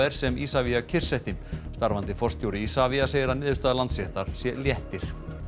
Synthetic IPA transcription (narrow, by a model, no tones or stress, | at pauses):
ɛɾ̥sɛmiːsaviacʰɪr̥sɛht̪ɪmst̪aɾvant̪ɪfɔrst̪jowɾɪiːsaviaseːjɾanɪːðʏ̥st̪aðalant̪sɛht̪aɾ̥sjɛljɛht̪ɪɾ̥